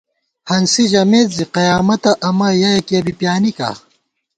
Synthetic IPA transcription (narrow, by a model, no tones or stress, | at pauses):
hɐnsiʑɐmeːt̪ziqɐjaːmɐt̪ɐʔɐmɐjajekiɐbipjaːnika̰